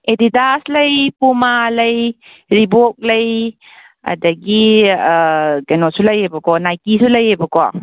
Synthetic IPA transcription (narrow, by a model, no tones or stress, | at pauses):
edidaslɐjpumalɐj | ɾibok̚lɐj | ɐ̰dɐɡi | ɡɐnosulɐjebɐkɔnajkisulɐjebɐkɔ